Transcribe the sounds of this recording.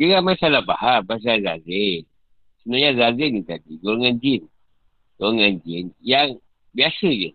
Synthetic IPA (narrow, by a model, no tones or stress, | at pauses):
ɡəɡamasalabaɦabas̬alazaze | sənuaɲazazenit̪adiɡoɾŋand͡ʒin | ɡ̥oɾŋand͡ʒinjaŋ | biasəd͡ʒə